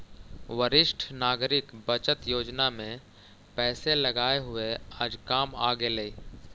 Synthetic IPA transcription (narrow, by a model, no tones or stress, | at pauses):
wəɾɪʃʈʰnaːɡɾɪkbət͡ʃət̪joːd͡ʒnamẽ | pɛːseləɡaːeɦʊeaːd͡ʒkaːma̰ːɡeleiː